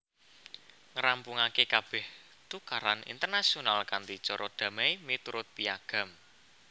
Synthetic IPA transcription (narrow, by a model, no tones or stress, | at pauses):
ŋəɾampuŋakekab̥ɛh | t̪ukaɾanḭnt̪ərnasionalkant̪it͡ʃɔɾʔɔd̪̥ä̤mejmit̪uɾʊt̪̚piaɡ̥a̤m